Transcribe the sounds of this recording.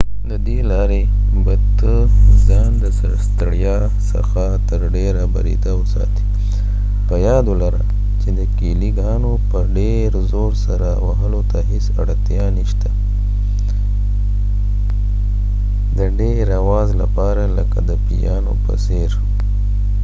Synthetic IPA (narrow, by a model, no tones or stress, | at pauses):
d̪əd̪elɑɾe | bat̪ə | zɑnd̪əsəɾst̪əɽjɑ | sə̰xa | t̪əɾɖeɾaba̰ɾḭd̪awəsɑ̰t̪i̥ | pəjɑd̪olaɾa̰ | t͡ʃed̪əkiliɡɑnopəɖe | ɾzoɾsaɾawaɦəlot̪aɦɪsa̰ɽt̪jɑniʃt̪a | d̪əɖeɾawɑzla̰pɑɾaləka̰d̪əpijɑno̰pə̰seɾ